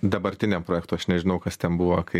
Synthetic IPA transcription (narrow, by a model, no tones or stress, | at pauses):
d̪ɐbɐɾʲt̪ʲɪnʲɛmpɾoːjɛːk̚t̪uːɐʃnʲɛʒʲɪnɐʊkɐst̪ʲɛnbuʋokɐɪ